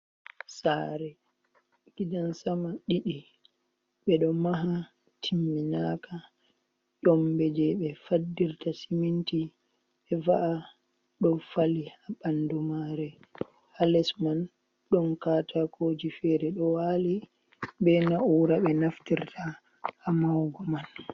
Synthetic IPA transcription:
saɾɛ | ɡ̥idansamaɗiɗi | ɓɛɗɔmaɦa | tʰimːinaka | ɗɔmbɛd͡ʒɛɓɛfadːiɾtasiminti | ɓɛvaʔa | ɗɔfalihaɓandumaɾɛ | halɛsman | ɗɔnkatʰakʰod͡ʒifɛɾɛɗɔwali | bɛnauɾaɓɛnaftiɾtʰa | hːmawɡɔman

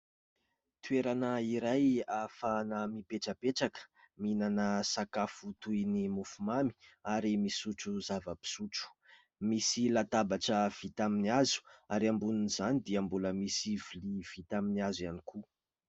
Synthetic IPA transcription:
t̪ueɾanəiɾajafanamipeʈ͡ʂəpeʈ͡ʂakə̥ | minanəsakafut̪ujnimufumami̥aɾimisuʈ͡ʂuzavəpi̥suʈ͡ʂu̥ | misilat̪abaʈ͡ʂəv̥it̪aminiazu̥aɾiambuninizanid̪iəmbuləmisiviliv̥it̪aminiazanikʰu

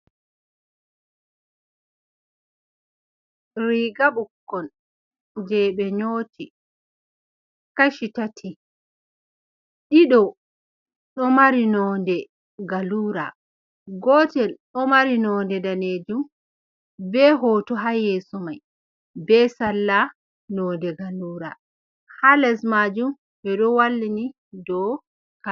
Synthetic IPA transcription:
ɾiːɡaɓukːɔn | d͡ʒɛɓɛɲoːtʰi | kaʃitatʰi | ɗiɗɔ | ɗɔmaɾinɔːndɛ | ɡaluːɾa̰ | ɡɔːtɛlɗɔmaɾinɔːndɛdaneːd͡ʒum | bɛɦɔtɔɦajɛsɔmaj | bɛsalːa | nɔndɛɡaluːɾa | halɛsmad͡ʒum | ɓɛɗɔwalːini | dɔ | ka

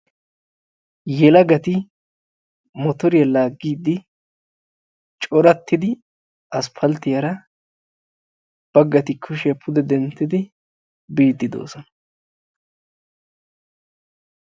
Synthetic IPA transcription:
jɛlɐɡɐt̪ɪ | mɔt̪ɔɾɪjɐlaːɡːiːd̪ːɪ | t͡ʃʼɔɾɐt̪ːɪd̪ɪ | ɐspʰɐlt̪ɪjɐɾɐ | b̥ɐɡːɐt̪ɪkʰːʊʃɪjɐpʰʊd̪ɛd̪ɛnt̪ːɪd̪ɪ | biːd̪ːɪd̪o̞̰ːsɔnɐ

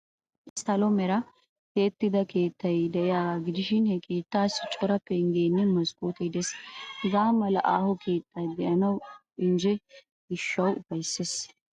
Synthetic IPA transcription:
sɐlomɛɾɐ | keːt̪ːɪd̪ɐke̞ːt̪ːɐjd̪ɛʔɛjaːɡaɡɪd̪ɪʃɪnhɛkʰe̞ːt̪ːaːsɪt͡ʃʼɔɾɐpːɛɪŋɡeːnːɛmɐskʼoːt̪ɛd̪ɛshɛzaːmɐlɐ̰ʔaːhɔkʰe̞ːt̪ːɐjd̪ɛʔɐnɐw | ɪnd͡ʒɛ | ɡɪʃːɐwʊfɐjsːes

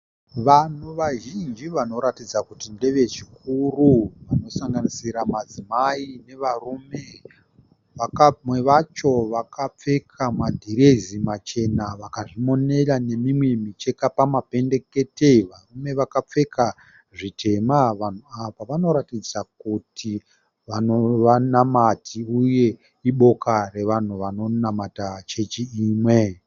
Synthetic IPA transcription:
ʋan̤uʋaʒind͡ʒiʋano̞ɾatid͡zakutinde̞ʋe̞t͡ʃikuruʋano̞saŋɡanisiɾamad͡zimaine̞ʋarume̞ | ʋaamwe̞ʋat͡ʃo̞ʋakap͡fe̞kʰamadʱiɾezimat͡ʃe̞naʋakaʐimo̞ne̞rane̞mimwemit͡ʃekapamape̞nde̞ke̞teiʋarume̞ʋakap͡fe̞kʰa | ʐitʰe̞maʋan̤uaʋaʋano̞ɾatid͡zak̚uti | ʋanoʋanamatʰiuje̞ | iɓo̞kare̞ʋan̤uʋano̞namatat͡ʃe̞t͡ʃiiːmwe̞

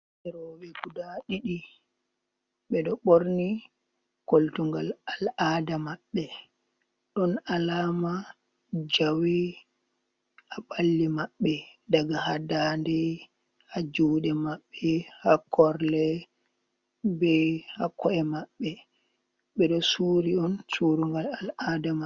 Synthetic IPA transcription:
ɛɾɔɓɛɡudaɗiɗi | ɓɛɗɔɓoɾni | koltuŋɡalalʔaːdamaɓːɛ | ɗɔnalaːma | d͡ʒawi | aɓalːimaɓːɛdaɡahadandɛ | had͡ʒudɛmaɓːɛhakʰɔɾlɛ | bɛhakːɔɛmaɓːɛ | ɓɛɗɔsuɾiɔnsuɾuŋɡalaladama

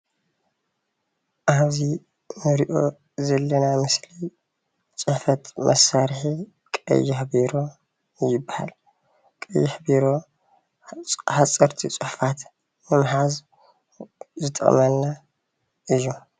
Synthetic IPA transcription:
ʔaβzi | mɨɾiʔo̞ | zɐlːɐnamɨsli | t͡sʼɨħfɐt̪mʔɐ̰sːaɾħi | kʼɐ̰jːɪħbiɾo̞ | jɪbːaha̰l | kʼɐjːɪħbiɾo̞ | ħat͡sʼːɐɾt̪ʰit͡sʼɨħfat̪ | mɨmħaz | zɨt̪ʼɐ̰χʼmɐlnːa | ʔɨjːu

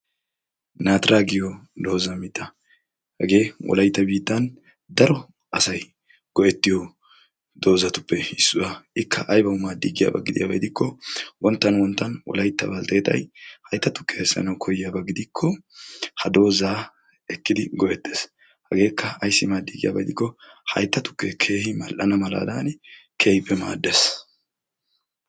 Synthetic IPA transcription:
naːt̪ɾaːɡɪjɔd̪o̞ːzɐmɪt̪ːɐ | hɐɡe̞ːwʔɔ̰lɐjt̪ːɐbiːt̪ːɐn | d̪ɐɾɔ | ɐsɐj | ɡ̥ɔʔɛt̪ːɪjɔ | d̪o̞ːzɐt̪ʊ̥pːɛɪsːʊwaɪkʰːɐʔɐjbɐʊmaːd̪iːɡɪja̰ːbɐ̰ɡɪd̪ɪja̰ːbɐjd̪ɪkʰːɔwʔɔnt̪ːɐnwɔnt̪ːɐnʔɔ̰lɐjt̪ːɐ̰bɐlt̪eːt̪ʼɐ̰jhɐjt̪ːɐt̪ʊ̥kːehɛsːɐ̰nɐwkʰɔjɪːjaːbɐɡɪd̪ɪkʰːɔhɐd̪o̞ːzaː | ɛkːɪd̪ɪɡɔʔɛt̪ːes | hɐɡe̞ːkːɐɐjsːɪmaːd̪iːɡɪja̰ːbɐjd̪ɪkːɔhɐjt̪ːɐt̪ʊ̥kːɛkʰe̞ːhɪmɐlʔɐnɐmɐla̰ːd̪ankʰe̞ːhɪpːɛma̰ːd̪ːeːs

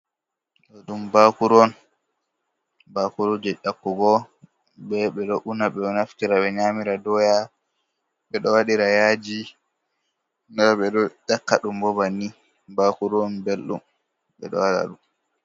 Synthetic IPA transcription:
ɗɔɗumbakuɾɔn | bakuɾɔd͡ʒɛɗakːuɡɔ | bɛɓɛɗɔʔunaɓɛɔnaftiɾaɓɛɲamiɾadɔja | ɓɛɗɔwaɗiɾajaːd͡ʒi | nɛɾɔɓɛɗɔɗakːaɗumbɔbanːi | bakuɾɔnbelɗṵm | ɓɛ̰ɗɔ̰wala̰ɗum

